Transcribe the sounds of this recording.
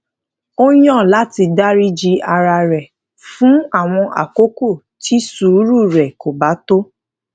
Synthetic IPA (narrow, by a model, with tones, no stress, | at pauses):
o˦jɔ̃˦˨la˨˦ti˧da˦ɾi˦d͡ʒi˧a˧ɾa˧ɾɛ˨ | fũ˦a˦˨w̃ɔ̃˧ʔa̰˨ko˦ko˦˨ | ti˦su˨˦ɾu˦˨ɾɛ˨ko˨ba˨˦to˦